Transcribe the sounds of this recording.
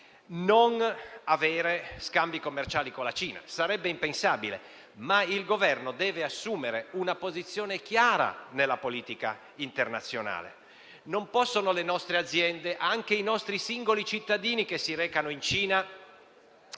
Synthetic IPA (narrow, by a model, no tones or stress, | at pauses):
nonavɛːɾeskambikomːert͡ʃaːlikonlːat͡ʃiːna̰saɾɛbːeimpensaːbilḛ | mailɡovɛrnod̪ɛːveasːuːmeɾeunapozit̪sːjɔːnekjaːɾa̰nelːapoliːt̪ika̰ | int̪ernat̪sːjona̰ːlḛ | nompɔsːonolenɔst̪ɾead̪zːjɛnd̪eʔaŋk̟einɔst̪ɾisiŋɡolit͡ʃit̪ːad̪iːnikesːiɾɛːkanoint͡ʃiːna